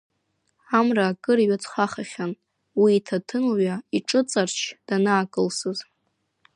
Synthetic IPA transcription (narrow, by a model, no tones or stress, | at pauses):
amraːkʼɨɾiɥat͡sʰʼχʷaχaχʲan | wiːtʰatʰɨnoɥaiʈ͡ʂʼɨt͡sʼart͡ʃʰd̥anaːkʼɨlsɨz